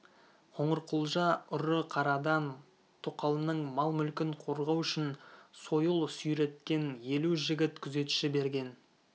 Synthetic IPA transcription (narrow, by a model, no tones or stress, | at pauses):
qʰoɴəɾqʰʊlˠʒɑʊɾəqʰɑɾɑd̪ɑn | t̪ʰoqɑlˠənəɴmɑlˠmʏlkʲɪɴqʰoɾʁɑwʏʃɪnso̞jəlˠsʏjɾe̞t̪̚kʲe̞nje̞luʒɪɡʲɪt̪kʲʰʏze̞t̪u̥ʃɪbe̞ɾɡʲe̞n